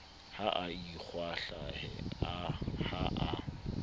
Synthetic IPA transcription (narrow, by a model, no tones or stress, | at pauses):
haʔaik͡xʰwaɬahɛ̰ahaʔa